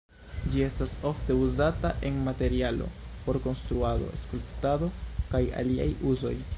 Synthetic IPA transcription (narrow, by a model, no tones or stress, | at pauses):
d͡ʒie̞staso̞fte̞uzataʔe̞nmate̞ɾialo̞̰po̞ɾko̞nst̪ɾuado̞̰e̞skulptado̞kaja̰lia̰juzo̞j